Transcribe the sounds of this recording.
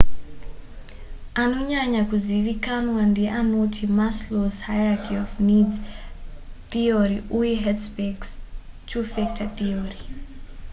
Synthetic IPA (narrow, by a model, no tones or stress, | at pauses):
anoɲaɲakuziʋikanwandiɛʔanotʰimasloshajrakʰiɔfnidz | θiɔɾiʔujɛɦɛdsbɛɡst͡ʃʰufɛk̚taθiɔɾi